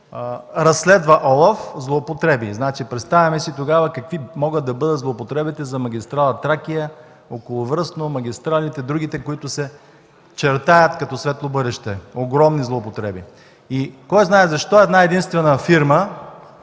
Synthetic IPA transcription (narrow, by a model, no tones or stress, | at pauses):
ɾɐsːlɛd̪vɐʔɔlˠɐfzlˠoːpot̪ɾɛbiznat͡ʃipɾɛt̪st̪avʲɐmɛsit̪oɡavəkɐkvimɔɡət̪ːɐbɤd̪ət̪zlˠoːpot̪ɾɛbit̪ɛzɐmɐɡʲist̪ɾalˠɐt̪ɾakijə | okolˠʊvɾɤsnomɐɡ̟ʲist̪ɾalit̪ɛd̪ɾuɡit̪ɛkoit̪ʊsɛ | t͡ʃɛɾt̪ajət̪kɐt̪ɔsvɛt̪lˠobɤd̪ɛʃt̪ɛoɡɾɔmnizlˠoːpot̪ɾɛbi | ikɔjznaɛzɐʃt̪ɔɛd̪naɛd̪inst̪vɛnəfiɾmə